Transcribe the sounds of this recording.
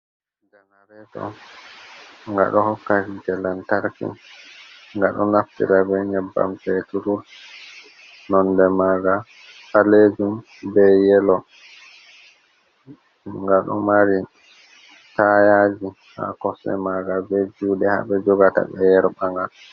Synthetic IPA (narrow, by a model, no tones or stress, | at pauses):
ndɛnaɾɛtɔ̰ | ŋɡa̰ɗɔhɔkːatid͡ʒɛlantaɾkḭn | ŋɡaɗɔnaftḭɾabɛɲɛbːa̰mfɛtuɾul | nɔndɛmaɡa | aled͡ʒum | bɛjɛlɔ | ŋɡaɗɔmaɾi | tajad͡ʒiha̰kɔsɛ̰maɡabɛd͡ʒuːɗɛha̰ɓɛd͡ʒɔɡata̰ɓɛ̰jɛɾbaŋɡal